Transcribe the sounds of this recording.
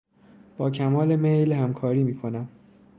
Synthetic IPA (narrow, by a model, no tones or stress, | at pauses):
b̥ɒːcʰæmɒːle̞mejlhæmkʰɒːɾiːmiːkʰo̞næm